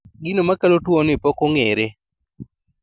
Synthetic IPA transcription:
ɡinomakalotwonɪpɔkoŋeɾe

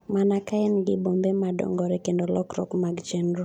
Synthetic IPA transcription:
manakaɛnɡɪbombemadɔ̰ŋɡɔɾɛkendolɔkɾɔ̰kmaɡd͡ʒɛnɾɔ

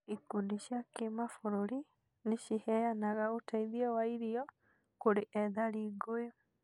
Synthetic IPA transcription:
ikundiɕjakemafoɾoɾi | neʃihɛjanaɣaotaiðiɛwaiɾiɔ | koɾeʔɛðaɾiːɡojo

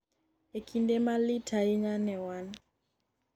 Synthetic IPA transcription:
ekʰindɛmalitʰaiɲanɛwan

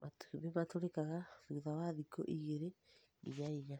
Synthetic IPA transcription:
matiβematoɾekaɣaðuðawaðiko̰ʔiɣeɾe | ḭjaija

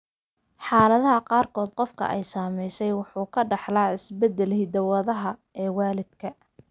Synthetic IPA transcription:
ħɑːlɐðɐɦɐqɑːrkʰɔːd̪̚qɔfkʰɐ̰ʔɛjsaːmɛjsɛjwɑħuːkʰɐɖɑħlaːɪsbɛd̪ːɛlhid̪ɐwɐðɐɦɐ | ɛːwɑːlɪd̪̥kʰɐ

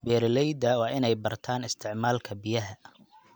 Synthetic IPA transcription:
bɛːɾlɛjd̪ɐwɑːʔɪnɛjbɐrt̪ʰaːnɪst̪ʰɪʕmaːlkʰɐbɪjɐɦɐ

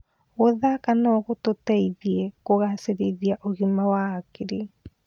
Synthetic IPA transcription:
oðakanokot̪otejðiekoɣaseɾiðiaʔoɡimawakiɾi

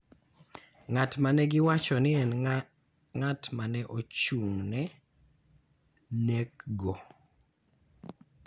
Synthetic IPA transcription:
ŋatmanɛɡɪwat͡ʃɔnɪɛn | ŋatmanɛʔot͡ʃuŋnɛ | nekɡo

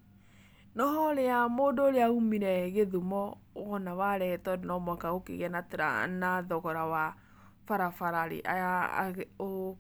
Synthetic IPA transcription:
nɔhɔɾeamoːndoːɾeaumiɾɛɣeðumɔɔnawaɾɛtɔdenɔmɔkaɣokḛɣɛnateɾa̰naðɔɣɔɾawa | faɾafaɾaɾḛʔa̰ja̰ | o

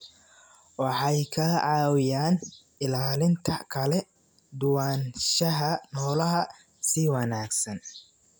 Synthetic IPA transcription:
wɑħɑjkʰɐʕɑːwɪjaːn | ɪlaːlɪnt̪ʰɐkʰɐlɛ | d̪ʊwaːnʃɐɦɐnɔːlɐɦɐ | siwɑnaːɡsɐn

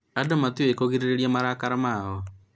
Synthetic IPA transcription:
adomat̪iekoɣiɾeɾeɾjamaɾakaɾamaɣɔ

